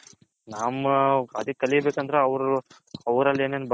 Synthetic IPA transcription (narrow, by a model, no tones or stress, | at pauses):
naːmɐd̪ikɐlibeːkɐnd̪ɐɾeɐʋɾu | ɐʋɾɐlːeːneːnb